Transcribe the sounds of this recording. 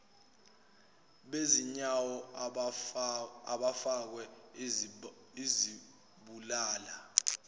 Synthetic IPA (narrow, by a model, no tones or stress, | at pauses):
ɓeziɲawɔ | aɓafak̬wɛ | izi | ɓulaːla